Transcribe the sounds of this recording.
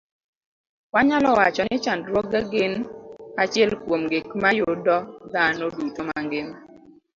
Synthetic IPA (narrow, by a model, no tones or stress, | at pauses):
waɲalɔwat͡ʃɔnɪt͡ʃandɾwɔɡaɡɪnat͡ʃɪɛlkwomɡɪkmajodɔd̪anodutoma̰ŋɡɪm